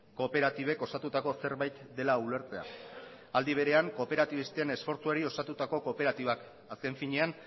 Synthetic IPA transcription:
ko̞pe̞ɾat̪iβe̞ko̞sat̪ut̪ako̞se̞ɾβajt̪d̪e̞laule̞ɾt͡se̞a̰ | ald̪iβ̞e̞ɾe̞aŋko̞pe̞ɾat̪iβist̪eene̞sfo̞ɾt͡sueɾio̞sat̪ut̪ako̞kope̞ɾat̪iβak | aske̞ɱfiɲe̞an

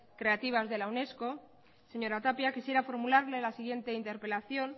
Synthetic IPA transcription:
kɾe̞at̪iβ̞azðe̞lawne̞sko̞ | seɲo̞ɾat̪apjakisje̞ɾafo̞ɾmulaɾlelasiɣ̞je̞nt̪e̞int̪e̞ɾpe̞laθjo̞n

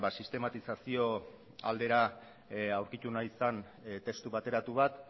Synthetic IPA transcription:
basist̪e̞mat̪isasio̞ | a̰ld̪e̞ɾa | awɾkit̪unajisan | t̪e̞st̪uβat̪e̞ɾat̪uβat̪

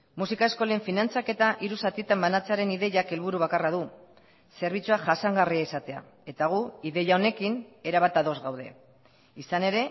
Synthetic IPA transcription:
musikae̞sko̞le̞ɱfinant͡sake̞t̪aʔiɾusat̪it̪ambanat͡seaɾe̞niðe̞ʝake̞lβ̞uɾuβakaraðu | se̞ɾβ̞it͡suaʝasaŋɡariaisat̪e̞a̰ | e̞t̪aɣ̞uiðe̞ʝaone̞kine̞ɾaβat̪aðo̞zɣawð̞e̞̰ | isane̞ɾe̞

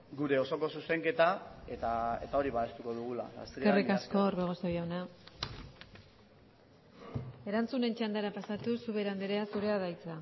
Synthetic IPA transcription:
ɡuɾe̞o̞so̞ko̞suse̞ŋke̞t̪ae̞t̪aet̪ao̞ɾiβaest̪uko̞ðuɣ̞ula̰a̰se̞rikasko̞ːɾβeɣ̞o̞sojawna | e̞ɾant͡sune̞nt͡ʃand̪aɾapasat̪usuβe̞ɾand̪eɾeasuɾe̞aðajt͡sa

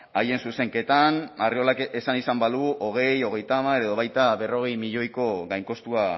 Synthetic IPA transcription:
aje̞nsuse̞ŋke̞t̪anario̞lakesanisambaluʔoɣ̞e̞jo̞ɣ̞e̞jt̪aːmaɾeeð̞o̞β̞ajt̪aβe̞ro̞ɣ̞e̞jmiʎo̞jko̞ɣajŋko̞st̪ua

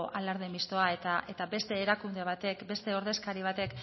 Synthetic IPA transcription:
ʔalaɾðemist̪o̞aet̪aʔe̞t̪abe̞st̪e̞ːɾakund̪e̞β̞at̪e̞kbe̞st̪e̞o̞ɾð̞e̞skaɾiβ̞at̪e̞k

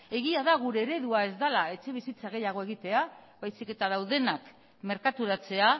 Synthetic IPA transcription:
e̞ɣ̞iaðaɣ̞uɾe̞ːɾe̞ðuae̞zd̪alae̞t͡ʃe̞βisit͡saɣ̞e̞jaɣ̞o̞e̞ɣ̞it̪e̞aβajsike̞t̪aðawðe̞nak | me̞ɾkat̪uɾat͡se̞a

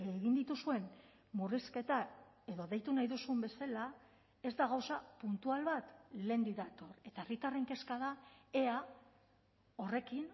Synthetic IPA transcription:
eɣind̪it̪usue̞m | muriske̞t̪a | e̞ðo̞ðe̞jt̪unajðusumbe̞sala | e̞zd̪aɣawsapunt̪ualβat̪le̞nd̪iðat̪o̞ɾe̞t̪aerit̪are̞ŋke̞skaðae̞a | o̞re̞kin

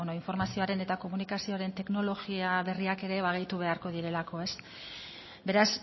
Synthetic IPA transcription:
noiɱfo̞ɾmasio̞aɾe̞ne̞t̪ako̞munikasio̞aɾe̞nt̪e̞kno̞lo̞ɣiaβe̞riake̞ɾe̞βaɣ̞ejt̪uβ̞e̞aɾko̞ðiɾe̞lako̞e̞s | be̞ɾas

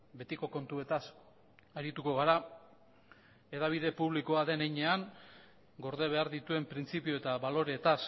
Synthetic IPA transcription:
be̞t̪iko̞ko̞nt̪ue̞t̪as | aɾit̪uko̞ɣaɾa | e̞ðaβ̞ið̞e̞puβliko̞aðe̞nejɲe̞aŋ | ɡo̞ɾðeβ̞e̞aɾðit̪ue̞mpɾint͡sipio̞e̞t̪aβalo̞ɾe̞t̪as

